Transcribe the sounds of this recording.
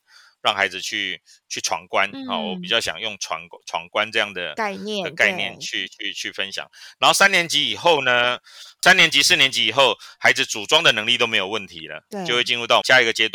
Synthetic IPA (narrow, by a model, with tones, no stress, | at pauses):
ɻɑ˥˩ŋxa˧˥ɪd͡zɹ̩˨t͡ɕʰy˥˩t͡ɕʰy˥˩ʈ͡ʂʰwɑ̰˧˥ŋkwa˦nɔ̰˥˨˩wɔ˧˦pi˨˩t͡ɕjɑ˥˩ʊɕjɑ̰˨˩ŋjʊ˥˩ŋʈ͡ʂʰwa̰˧˥ŋʈ͡ʂʰwɑ̰˧˦˥ŋkwa˦nʈ͡ʂɤ˥˧jɑ˥˩ŋd̪ə̰˩˥˧ɛ˥˨ə˧ka˥˧ɪnjɛ˥˨nt͡ɕʰy˥˧y˥˧t͡ɕʰy˥˩fə˦nɕjɑ̰˨˩ŋna˧˥nxo˥˩sa˥˦njɛ˧˦nt͡ɕi˧˥i˨˩xo˥˩ʊnə˨sa˦njɛ˧˥nt͡ɕi˧˥sɹ̩˥˩njɛ˧˦nt͡ɕi˨˥i˨˩xo˥˩ʊxa˧˥ɪd͡zɹ̩˨t͡su˨˩ʈ͡ʂwɑ˥ŋd̪ə˨nɤ˧˥ŋli˥˨t̪o˥me˧˥ɪjo˨˩ʊwə˥˩nt̪ʰi˨˦lə̰˧˦t͡ɕo˥˧xwe˥˩ɪt͡ɕi˥˧nɻu˥˧t̪ɑ˥˩ʊɕja˥˧i˧˥ɡə˨t͡ɕjɛ˥t̪wa˥˨˩